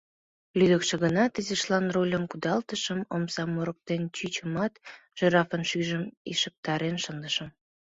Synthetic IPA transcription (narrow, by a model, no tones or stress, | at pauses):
lyd̪əkʃĕɣənɑt̪əzeʃlɑnrolʲəmkud̪ɑlt̪əʃəmomsɑmːoɾək̚t̪ent͡ɕyt͡ɕəmɑt̪ʒ̥eɾɑfənʃyʒəmiʃək̚t̪ɑɾenʃənd̪əʃəm